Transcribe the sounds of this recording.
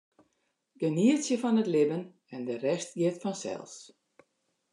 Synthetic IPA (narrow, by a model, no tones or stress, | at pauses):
ɡəniətsjəfɔnətlɪbən | ɛndərɛstjɪtfɔnsɛ̰lˠs